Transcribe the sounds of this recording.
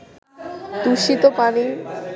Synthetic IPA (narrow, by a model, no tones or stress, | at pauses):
d̪uʃit̪opani